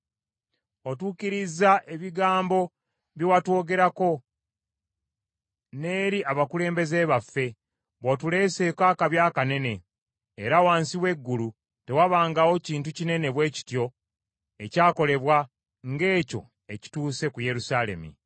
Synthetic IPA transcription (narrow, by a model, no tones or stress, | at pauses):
otuciɾizːaʔeβiɡaːmbo̞ | βjowatwo̞ːɡe̞ɾako̞ | ne̞ːɾiʔaβakule̞ːmbe̞ze̞βafːe̞ | βwotule̞ːse̞kaːkaβjaːkane̞ne̞ː | ɾawaːnsiwe̞ɡːulu | te̞waβaːŋɡawo̞ciːntucine̞ne̞βwe̞ːci̥tjo̞ | ecaːko̞le̞βwa | ŋɡe̞ːco̞̰ | eci̥tuːse̞kuje̞ɾusaːle̞̰mḭ